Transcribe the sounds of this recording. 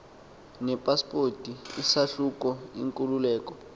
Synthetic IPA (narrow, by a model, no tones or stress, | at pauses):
nɛpʼaspotʼiisaɬuk̬ʼɔḭŋkʼululɛːk̬ʼɔ